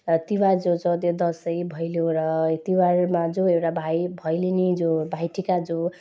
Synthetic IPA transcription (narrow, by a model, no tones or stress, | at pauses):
t̪iward͡zod͡zʌt̪jod̪ʌsʌjbʱʌjljoɾʌt̪iwarmad͡zoewʈabʱajbʱʌjlinid͡zobʱajʈʰikad͡zo